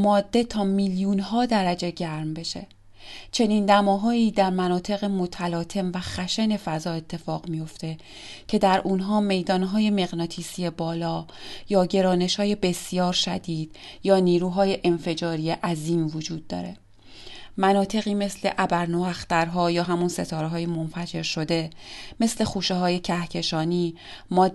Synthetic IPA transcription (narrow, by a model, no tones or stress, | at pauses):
mɒːd̪ːe̞t̪ʰɒːmiljunɦɒːd̪æɾæd͡ʒe̞ɟæɾmbe̞ʃe̞̰ | t͡ʃʰe̞niːnd̪æmɒːɦɒːiːd̪æɾmænɒːt̪ʰe̞ɣemot̪ʰælɒːt̪ʰe̞mvæxæʃene̞fæzɒːe̞t̪ʰːe̞fɒːɣmijo̞ft̪e̞ | cʰe̞d̪æɾʔunɦɒːme̞jd̪ɒːnɦɒːje̞me̞ɣnɒːt̪ʰiːsie̞bɒːlɒːjɒːɟe̞ɾɒːne̞ʃhɒːje̞be̞sjɒːɾʃæd̪iːd̪̥jɒːniːɾuːɦɒːje̞ʔenfe̞d͡ʒɒːɾiːeʔæziːmvod͡ʒuːd̪̚ːɒ̰ːɾe̞̰ | mænɒːt̪ʰe̞ɣiːme̞sle̞̰ʔæbæɾnoæxt̪æɾɦɒːjɒːɦæmunse̞t̪ʰɒːɾeɦɒːjemonfæd͡ʒe̞ɾʃo̞d̪e̞me̞sle̞xuːʃeɦɒːje̞cʰæhcʰe̞ʃɒːniː | mɒː